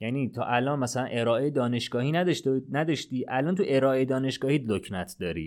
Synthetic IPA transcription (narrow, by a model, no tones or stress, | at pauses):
jæniːt̪ʰɒ̰ːʔælɒːnmæsælænʔe̞ɾɒːʔejed̪ɒːne̞ʃɡ̥ɒːhiːnæd̪ʃnæd̪ɒʃt̪iːʔælɒːnt̪ʰuʔe̞ɾɒːʔejed̪ɒːne̞ʃɡ̥ɒːhiːd̪locʰnæt̪ʰd̪ɒːɾḭː